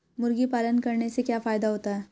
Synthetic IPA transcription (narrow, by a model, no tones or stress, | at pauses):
mʊɾɡipaːlənkɐɾnesekjaːfaːjd̪aɦoːt̪aɦɛː